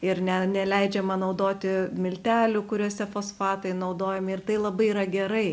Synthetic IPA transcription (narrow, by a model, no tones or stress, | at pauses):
ɪɾnʲɛnʲɛlʲɛɪd͡ʒʲɛmɐnɐʊd̪oːt̪ʲɪmʲɪlʲt̪ʲæːlʲuːkʊɾʲuɔsʲɛfoːsfɑːt̪ɐɪnɐʊd̪oːjɛmʲɪɪrt̪ɐɪlˠɐbɐɪiɾɐɡʲɛɾɐɪ